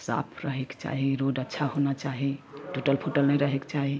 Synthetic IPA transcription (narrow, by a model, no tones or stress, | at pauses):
sa̰pʰɾəɦekt͡ʃa̰ɦiɾoɖətːʃʰaɦonat͡ʃaɦiʈoʈəlpʰoʈəlnəjɾəɦekt͡ʃaɦi